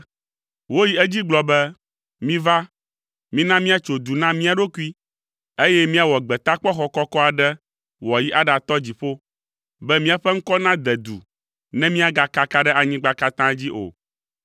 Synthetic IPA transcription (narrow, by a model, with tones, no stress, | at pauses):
wo˦ji˦ɛ˦d͡ʑi˦ɡ͡blɔ˨bɛ˦ | mĩ˦va˦ | mĩ˦nã˦mĩ˦a˨t͡ʃo˨d̪u˨nã˦mĩ˦a˨ɖo˦ku˦i˦ | e˦jɛ˦mĩ˦a˨wɔ˨ɡ͡bɛ˨t̪a˦k͡pɔ˦xɔ˦kɔ˦kɔ˦a˨ɖɛ˦ | wɔ˨ji˦ʔa˦ɖa˨t̪ɔ˦d͡ʑi˨ɸo˦ | bɛ˦mĩ˦a˨ɸɛ˦ŋ̩˦kɔ˦nã˦d̪ɛ˨d̪ṵ˨ | nɛ̃˦mĩ˦a˨ɡa˨ka˦ka˦ɖɛ˦ʔa˨ɲĩ˦ɡ͡ba˦ka˦t̪ã˦d͡ʑi˦ʔo̰˨